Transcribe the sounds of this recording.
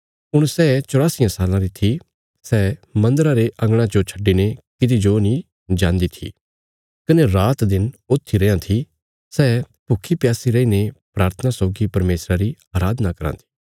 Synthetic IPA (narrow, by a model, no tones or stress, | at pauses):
ʊɽ̃sɛːt͡ʃʊɽaːsijãsaːlãɾit̪ʰi | sɛːmɐ̃nd̪əɾaɾeʔɐ̃ŋɡɽ̃ãd͡ʒot͡ʃʰɐ̥ɖːinekɪd̪id͡ʒonĩ | d͡ʒãːnd̪it̪ʰḭ | kɐneɾaːt̪d̪ɪnoːt̪ʰːiɾɛjãt̪ʰi | sɛː | pʊkʰːipjaːsiɾɐinepɾaːɾt̪ʰənasɔːɡipɐɾmeːsɾaɾiaːɾaːd̪nakɐɾã̰ːt̪ʰi̥ː